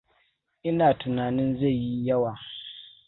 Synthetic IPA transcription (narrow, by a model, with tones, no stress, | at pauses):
ʔɪ˦naː˨tʊ˨naː˨nɪ˦nza˦˨jji˦jɐ˦waː˨